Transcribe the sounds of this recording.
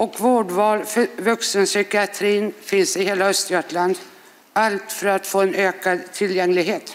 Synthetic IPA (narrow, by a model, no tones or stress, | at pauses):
ʔɔkvoːɖvɑːɾfvɵksənsʏkɪat̪ʰɾiːnfɪnsɪheːlaœst̪jœːʈɭand̪ | alt̪fœɾat̪foːɛnøːkad̪t̪ʰːɪljɛŋːlɪɡɦeːt̪